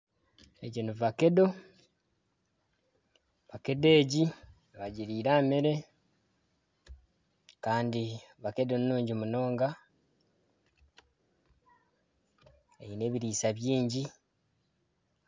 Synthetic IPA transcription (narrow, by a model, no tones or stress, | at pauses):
eɟinuvake̞do̞ | βake̞de̞ːɟi | βaɟiɾiːɾaːmeɾe̞ | kaːndiβakedo̞nnuːɲɟimuno̞ːŋɡa | eine̞ːβiɾiːsaβjiːɲɟi